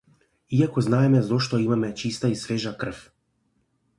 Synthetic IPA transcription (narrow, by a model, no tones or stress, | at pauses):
iakoznaɛmɛzoʃt̪ɔimamɛt͡ʃist̪aisvɛʒakr̩f